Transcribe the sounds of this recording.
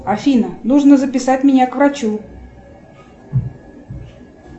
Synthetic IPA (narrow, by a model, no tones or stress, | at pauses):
ɐfʲinənuʐnəzəpʲɪsat̚ʲmʲɪnʲakvɾɐt͡ɕu